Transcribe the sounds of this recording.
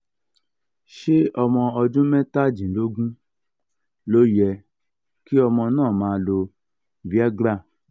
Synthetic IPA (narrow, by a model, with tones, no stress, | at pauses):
ʃe˦ʔɔ˧mɔ̃˧ɔ˧d͡ʒũ˦mɛ̃˦ta˦˨d͡ʒĩ˨lo˦ɡũ˦ | lo˦jɛ˧ | ki˦ɔ˧mɔ̃˧nãː˦˨mãː˨˧lo˧˨ | vi˦a˦ɡɾa˦˨